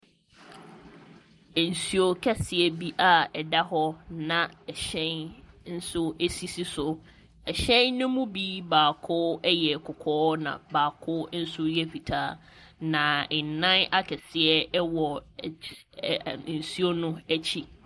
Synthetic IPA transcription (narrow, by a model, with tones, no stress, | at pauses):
n̩˨su˨o˨kʰɛ˦sɪ˨ɛ˦bi˦ʔa˨ɛ˨da˦ɦɔ˦nã˨ɛ˨ɕɛ̃˦nn̩˦sʊ˦e˦si˦si˦sʊ˨ | ɛ˨ɕɛ̃˦nːʊ̃˦mũ˦bi˦baː˨kʰʊ˦ɛ˦jɛ˨kʰʊ˨kʰɔː˦nã̰˨baː˨kʰʊ˦n̩˦sʊ˦jɛ˦fi˨tʰaː˦ | nã˨n˨nã˦na˦kʰɛ˨sɪ˨ɛ˦ɛ˦wɔ˨ | n̩˨su˦o˦nʊ̃˦æ˦t͡ɕʰi˦